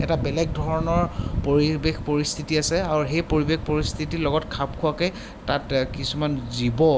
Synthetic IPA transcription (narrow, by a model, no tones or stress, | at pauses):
ɛtabɛlɛɡ̚dʱɔɹɔnɔɹpoɹibexpoɹist̪ʰitiasɛaɹuɦejpoɹibekpoɹist̪ʰitilɔɡɔtkʰabkʰʊakɔj | tatkisumanzibɔ